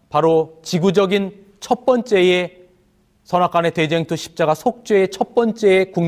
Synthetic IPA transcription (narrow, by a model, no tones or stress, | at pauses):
paɾot͡ɕiɡud͡ʑʌɡin | t͡ɕʰʌt̚p͈ʌnt͡ɕ͈e̞je | sʰʌnak͈ane̞te̞d͡ʑe̞ŋtʰuɕʰi̥p̚t͡ɕ͈aɡasʰok̚t͡ɕ͈weet͡ɕʰʌt̚p͈ʌnt͡ɕ͈e̞ekuŋ